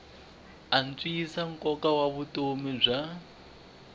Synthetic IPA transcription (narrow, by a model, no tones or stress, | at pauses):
an̩t͡sʼiːsaŋ̩kʼɔkawaβutʼomib͡ʐa